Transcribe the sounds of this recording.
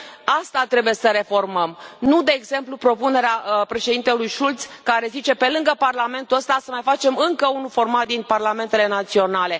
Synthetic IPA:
ast̪at̪ɾe̞buje̞səɾe̞fo̞rməmnud̪e̞ːɡze̞mplupɾo̞pune̞ɾeapɾe̞ʃe̞d̪int̪elujʃult̪skaɾe̞zit͡ʃe̞pe̞lɨŋɡəparlame̞nt̪uəst̪asəmajfat͡ʃe̞mɨŋkəunufo̞rmat̪̚d̪inparlame̞nt̪e̞le̞nat̪sio̞nale̞

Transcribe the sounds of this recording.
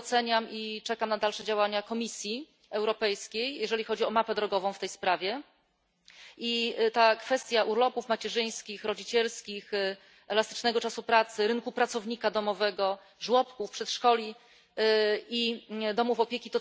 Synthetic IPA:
t̪sɛɲamit͡ʂɛkamnad̪alʂɛd͡ʑawaɲakɔmʲisʲji | ɛwɾɔpɛjskʲejjɛʐɛlʲixɔd͡ʑiɔmapɛd̪ɾɔɡɔvɔ̃w̃ft̪ɛjspɾavʲjɛ | ʔit̪akfɛst̪ʲjaʔuɾlɔpufmat͡ɕɛʐɘj̃skʲixɾɔd͡ʑit͡ɕɛlskʲix | ɛlast̪ɘ̥t͡ʂnɛɡɔt͡ʂasupɾat̪sɘɾɘŋkupɾatsɔvɲikad̪ɔmɔvɛɡɔ | ʐwɔpkufpʂɛt̪ʂkɔlʲi | id̪ɔmufɔpʲjekʲit̪ɔ

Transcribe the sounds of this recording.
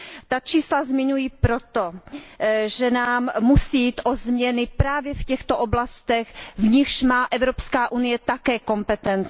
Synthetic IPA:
t̪at͡ʃiːslazmɪɲujiːpɾot̪o | ʒɛnaːmːusijiːt̪ʔozmɲɛnɪpɾaːvjɛfcɛxt̪oʔoblast̪ɛxvɲɪxʃmaːʔɛvɾopskaːʔunɪjɛt̪akɛːko̞mpɛt̪ɛnt͡s

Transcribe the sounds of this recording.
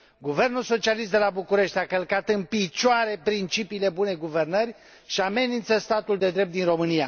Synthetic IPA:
ɡuve̞rnulso̞t͡ʃialist̪d̪e̞labukuɾe̞ʃt̪ʲakəlkat̪ɨnpit͡ʃoaɾe̞pɾint͡ʃipiːle̞bune̞ɡuve̞rnərʲ | ʃiame̞nint̪səst̪at̪uld̪e̞d̪ɾep̚t̪inro̞mɨnija

